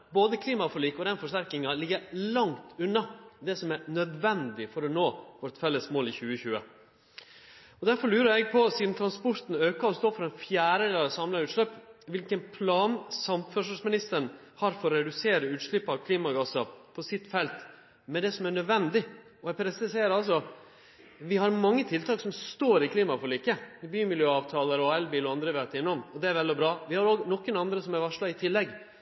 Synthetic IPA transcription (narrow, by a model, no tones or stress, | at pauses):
boːd̪əkʰliːmɑfɔliːkɔd̪ɛnfɔʂt̪æɾkɪŋɑlɪɡəɾlɑŋt̪ʉnːɑd̪ɛsɔmæɾnœd̪ʋɛnd̪ɪfɔɾɔnoːʋɔɾt̪fɛlːəsmoːlɪçʉːəçʉːə̰ | ɔd̪æɾfɔɾɭlʉːɾəɾɛɡ̚pʰɔsiːd̪n̩t̪ʰɾɑnspɔɾt̪n̩øːkɑɔst̪oːfɔɾɛnfjæːɾəlɑːsɑmlɑɾʉːt̪ʂlœpːʋɪlkənpʰlɑːnsɑmfœʂɔsmɪnɪst̪əɳ | hɑɾfɔɾɾɛd̪ʉseːɾəʉːt̪ʂɭɪpːɑʋkʰliːmɑɡɑsɑpʰɔsɪt̪ːfɛlt̪ | mɛd̪ɛsɔmæɳœd̪ʋɛnd̪ɪ | ɔɛpʰɾɛsɪseɪːəɾɑls̬ɔ | ʋɪhɑɾmɑŋːət̪ʰɪlt̪ʰɑːksɔmst̪oːɾɪkʰliːmɑfɔɭikːəbyːmɪljøːɑːʋt̪ʰɑːləɾɔɛlbiːlɔɑnd̪ɾəʋeɑt̪ɪnːɔmɔd̪ɛæɾʋɛlɔbɾɑːʋɪhɑɾoːɡnɔkːənɑnd̪ɾəsɔmæɾʋɑʂɭɑɪt̪ʰɪlːɛɡ